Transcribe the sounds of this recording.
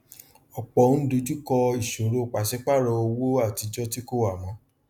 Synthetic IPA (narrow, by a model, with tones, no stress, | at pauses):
ɔ˨k͡pɔ˨˦n̩ũ˦do˧˦d͡ʒu˦kɔ˧i˨ʃo˨ɾo˧˨k͡pa˨ʃɛ˦k͡pa˦˨ɾɔ˧o˧wo˦a˦˨ti˧d͡ʒɔ˦ti˦ko˦wa˦˨mɔ̃˨˧˦